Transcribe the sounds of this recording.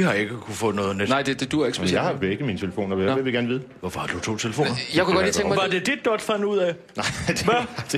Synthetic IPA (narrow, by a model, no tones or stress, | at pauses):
ihɑ̈e̝ɡ̥əkʰufɔ̽ð̩ˠnɔ̽ːð̩ˠnenɑ̈ɪd̥e̝d̥ed̥uæeɡ̥seejɑ̈ɪhɑb̥eɡ̥ð̩ˠmiːnət͡sʰe̝ləfo̰ːnɐeʋeɡ̥æɐnʋiːðˠ | ʋɒfɒhɑ̈d̥ut͡sʰo̝̰ːt͡sʰe̝ləfo̝nɐjaɪkuɡɒd̥lliːt͡sʰeŋmʋɑ̈d̥e̝d̥id̥̚ːɒd̥fæn̰uð̰ˠɛ | nɑ̥ʋæ̥